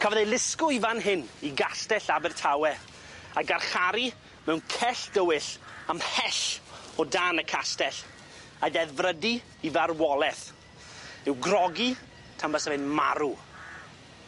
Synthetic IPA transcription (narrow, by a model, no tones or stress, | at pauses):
kʰəvɔðelˠɪskʊivanɦɪniɡastɛɬabɪrtʰawɛ | aɡarχaɾi | mɛwnkʰɛɬd̥əwɨɬamhɛɬɔdaːnəkʰastɛɬ | aðɛðvrədi | ivarwɔlˠɛθ | ɪwɡrɔɡi | tʰambəsəvɪnma̰ɾu